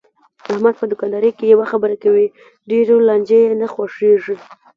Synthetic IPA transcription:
ahmad̪̚pəd̪ʊkɑnd̪ɑɾəjkejawaxabəɾakawi | ɖeɾolɑnd͡ʒejenaxwaʂeʐi

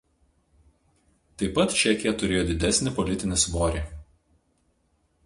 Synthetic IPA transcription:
t̪ɐɪpːɐt̪t͡ʃʲɛkʲɪjɛt̪ʊɾʲeːjoːd̪ʲɪd̪ʲɛsʲnʲɪpɔlʲɪt̪ʲɪnʲɪsʋoːɾʲeː

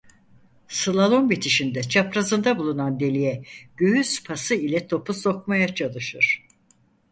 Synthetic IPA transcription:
sɯlˠalˠo̞nbit̪ʰiʃind̪ɛt͡ʃʰapɾazɯnd̪abulˠunand̪e̞lʲijɛɟ̥øɦyspʰasɯilʲɛt̪ʰo̞puso̞kmajat͡ʃʰalˠɯʃɯɾ̥

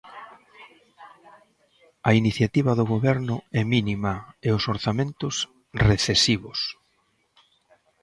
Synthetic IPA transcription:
ɐiniθjat̪iβɐðʊɣoβɛɾnʊɛminimaeʊsoɾθamẽnt̪ʊs | reθesiβʊs

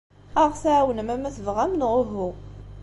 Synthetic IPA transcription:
aʁθaʕwənəmæmæθvʁæmnʁʊɦu

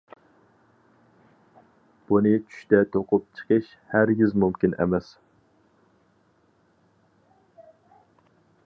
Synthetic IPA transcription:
b̥unɨt͡ʃʰy̥ʃt̪ɛt̪ʰoqʊp̚t͡ʃʰə̥qʰəʃ | hæɾɡʲizmumkʲinʔɛ̰mɛs

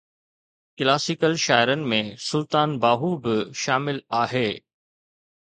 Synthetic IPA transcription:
klaːsɪkəlʃaːɪɾənɪ̆mẽsʊlt̪aːnbaːɦubɪʃaːmɪlaːɦeː

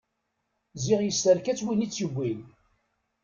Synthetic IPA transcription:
ziʁjəst̪əɾkæt͡sːwinit͡sːjəɡʷːin

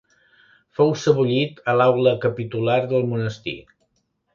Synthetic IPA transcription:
fowsəβuʎit̪əlawləkəpit̪ulaɾðəlˠmunəst̪ḭ

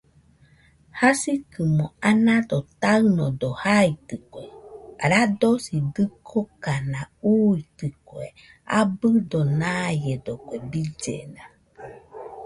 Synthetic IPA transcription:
hasikɨmoanãd̪ot̪aɨnod̪ohait̪ɨkʷeɾad̪osid̪ɨkʰokanauit̪ɨkwe | a̰bɨd̪onajed̪okʷebid͡ʒḛna

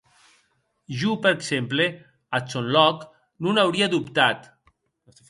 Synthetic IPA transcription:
ʒupəɾeksemple | at͡ʃonlɔk | nunawɾiaðupt̪at̪

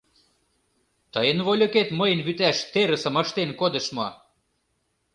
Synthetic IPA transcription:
t̪əjə̆nβolʲoket̪məjə̆nβyt̪æʃt̪eɾə̆sə̆mə̆ʃt̪enkod̪ə̆ʃmɑ

